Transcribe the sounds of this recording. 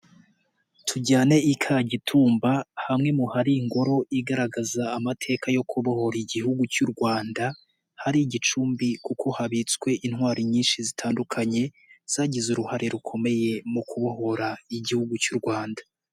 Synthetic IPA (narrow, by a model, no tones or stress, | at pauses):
tʰuɟaːne̞ikʰaɟitʰuːmbahamŋe̞muhaɾiːŋɡo̞ɾo̞iɡaɾaɡazaːmatʰe̞ːkajo̞kʰuβoho̞ɾiɟihuɡut͡ʃuɾɡwaːnda | haɾiɟit͡ʃuːmbikukʰo̞haβit͡swe̞ʔin̥waːɾiɲiːnʃizitʰaːndukʰaɲe̞ | z̥aːɟizuɾuhaɾe̞ɾukʰo̞me̞je̞mukuβoɦo̞ɾaiɟihuɡut͡ʃuɾɡwaːndḁ